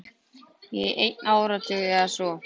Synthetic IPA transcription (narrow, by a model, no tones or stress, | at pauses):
jɛʔḛjt̪nawɾat̪ɪɣasɔ